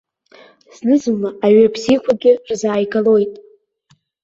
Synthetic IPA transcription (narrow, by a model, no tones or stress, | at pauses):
z̥nɨzɨmlaaɥabʰzikʷʰaɡʲɪʈ͡ʂʼzaːjɡalo̞jtʼ